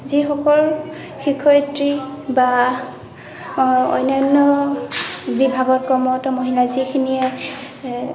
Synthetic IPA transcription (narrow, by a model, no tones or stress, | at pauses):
zixɔkɔl | xikʰɔjtɹiba | ɔ̰jnajnːɔ | bibʱaɡɔɹkɔmɔtɔmoɦilazikʰiniɛ